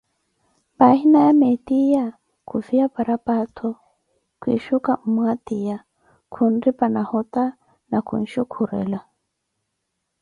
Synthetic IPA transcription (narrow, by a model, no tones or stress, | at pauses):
bahinajamɛt̪ija | kʰuviapaɾapatʰɔ | kwḭʃukam̩mwat̪ija | kʰundipanahɔt̪a | nakṵn̩ʃukʰuɾɛ̰la